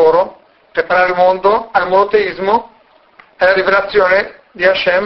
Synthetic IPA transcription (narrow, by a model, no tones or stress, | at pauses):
oːɾo | pɾepaɾaːɾelmond̪oalmonot̪eizmo | elaɾivelat̪sːjoːne | d̪iaʃɛm